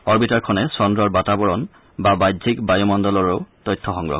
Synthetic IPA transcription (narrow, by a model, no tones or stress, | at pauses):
ɔɹbitaɹkʰɔnɛsɔndɹɔɹbatabɔɹɔn | babajdʱikbajumɔndɔlɔɹeʊtɔjtʰːɔxɔŋɡɹɔ̰ɡ̚